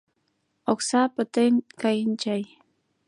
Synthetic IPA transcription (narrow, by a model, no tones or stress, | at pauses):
oksaːpat̪enkajɪnt͡ʃaj